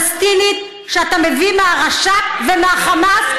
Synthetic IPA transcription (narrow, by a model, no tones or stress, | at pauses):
st̪init̪̚ | ʃeat̪ame̞vimeaʁaʃavemeaχamaf